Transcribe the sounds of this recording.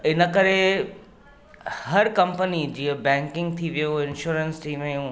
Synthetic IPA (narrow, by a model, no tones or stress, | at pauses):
ɪnə̆kɐɾe | hɐɾkɐ̃mpənid͡ʑiːəbɛ̃ːŋkɪ̃ŋɡ̚t̪ʰiʋijoɪ̃nʃuːɾənsʈiːmɐjũ